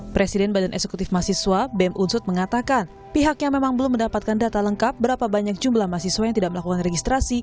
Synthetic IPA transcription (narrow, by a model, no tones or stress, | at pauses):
pɾesidɛnbadanʔɛ̰ksekut̪ɪfmasiswabɛmʔunsʊt̪̚məŋat̪akan | piɦakɲamemaŋbəlʊmːəndapat̪̚kandat̪aləŋkap̚bəɾapabaɲak̚d͡ʒumblahmasiswajaŋt̪idaʔməlakukanreɡist̪ɾasi